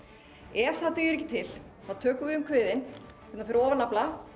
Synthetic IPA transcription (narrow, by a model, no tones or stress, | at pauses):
ɛɾ̥θaðt̪œːjʏɾɛcːɪt̪ʰɪl | θaðt̪ʰœːkʏʏmkʰvɪːðɪnʰ | ɛt̪nanfɪɾɔːvanapla